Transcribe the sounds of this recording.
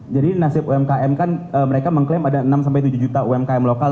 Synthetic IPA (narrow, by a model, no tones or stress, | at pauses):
d͡ʒadinasɪpuɛmkaʔɛmkanəːməɾekaməŋklemadaənamsampajt̪ud͡ʒud͡ʒut̪auɛmkaɛmloka